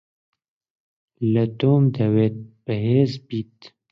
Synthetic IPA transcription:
lət̪oːmd̪ɐweːt̪̚bəɦeːzbiːt̪

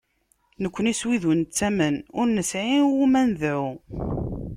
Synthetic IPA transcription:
nəkʷːəniswiðənt͡sːæmənʊɾnəsʕiwumænðʕʊ

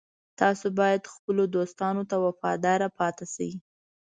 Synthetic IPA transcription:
t̪ɑsobɑjad̪xpəlod̪ost̪ɑnot̪awafɑ̰d̪ɑɾapɑt̪asa̰wi

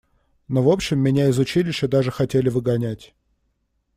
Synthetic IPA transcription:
no̞vo̞pɕːɪmːʲɪnʲaɪzʊt͡ɕilʲɪʂɕəd̪aʐɨxɐtʲelʲɪvɨɡɐnʲætʲ

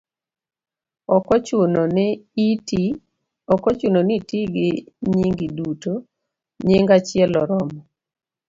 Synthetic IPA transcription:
ɔkɔ | ɔkɔt͡ʃunonitiɡɪɲiŋɡiduto | ɲeŋɡat͡ʃɪɛlɔɾɔmɔ

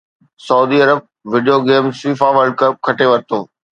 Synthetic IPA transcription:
sɐuːd̪iɐɾəb̚ | ʋɪɖijoɡeːmsiːfaʋəɾɖkɐb̚kʰɐʈeʋɐɾɪt̪ʰoː

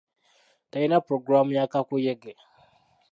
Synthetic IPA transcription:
tajinapɾoɡɾamjakakʷojɛɡɛ

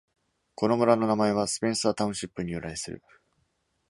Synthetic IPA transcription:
ko̞no̞mɯ̟ɾano̞namae̞β̞asɨ̥pʲẽ̞ɰ̃saːt̪aɯ̃ɕipːɯ̟ɲ̟ijɯ̟ɾaisɨɾɯ̰

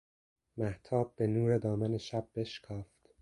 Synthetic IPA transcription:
mæht̪ʰɒːb̚ːe̞nuːɾe̞d̪ɒːmæneʃæb̚ːe̞ʃkʰɒːft̪

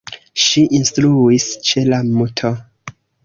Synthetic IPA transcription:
ʃiʔinstɾuist͡ʃe̞lamutʰo

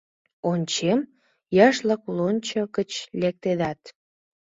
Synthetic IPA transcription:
onʲt͡ɕem | jɑʃləklonʲt͡ɕokət͡ɕlek̚t̪ed̪ɑt̪

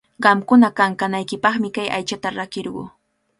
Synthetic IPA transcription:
ɢɑmkʊnakaŋkanajkɪpɑχmɪkaja̰jt͡ʃat̪aɾakɪɾɢʊ̰ː

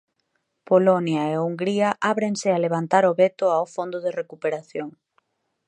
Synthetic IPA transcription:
polonjɐeuŋɡɾiɐʔaβɾeŋsɪaleβ̞ant̪aɾoβet̪ʊawfond̪ʊðerekupeɾaθjoŋ

